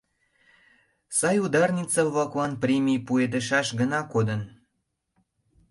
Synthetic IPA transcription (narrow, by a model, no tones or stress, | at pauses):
sɑjud̪ɑrnʲit͡sɑβlɑklɑnprʲemʲijpuet̪̬əʃɑʃɡənɑkod̪ən